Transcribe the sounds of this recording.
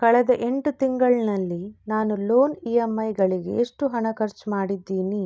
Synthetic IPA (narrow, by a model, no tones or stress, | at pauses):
kɐɭɛd̪ɐʔe̞ɳʈut̪iŋɡɐɭnɐlːinaːnulo̞ːniːemːɐjɡɐɭiɡe̞̰eʂʈuɦɐɳɐkɐɾt͡ʃmaːɽid̪ːiːni